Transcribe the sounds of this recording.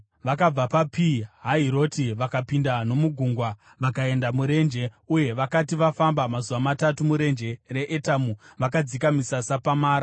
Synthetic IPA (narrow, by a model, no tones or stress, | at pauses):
ʋakab͡vapapiɦaɦiɾo̞tiʋakapindano̞muɡʱuːŋɡwa | ʋakae̞ndamuɾe̞nd͡ʒe̞uje̞ʋakatiʋafambamazuʋamatatumuɾe̞nd͡ʒe̞re̞ʔetamuʋakad͡zikamisasapamaːɾa